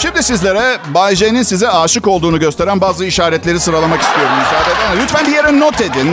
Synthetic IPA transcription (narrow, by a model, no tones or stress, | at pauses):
ʃimd̪isizlʲeɾɛbaʒejninsizɛaːʃɯko̞lˠd̪uːnuɟø̞st̪e̞ɾænbaːzɯiʃaːɾɛt̪lʲe̞ɾisɯɾalˠamaki̥st̪ʰijo̞ɾumysaːd̪ed̪amalʲyt̪fænbijeɾɛno̞t̪ʰe̞d̪in